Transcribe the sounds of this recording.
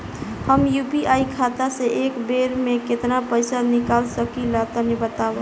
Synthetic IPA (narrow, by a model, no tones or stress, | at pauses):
həmjupiʔaikʰat̪aseʔekbeɾmẽket̪napəjsanɪkalsəkilat̪ənibət̪aʋə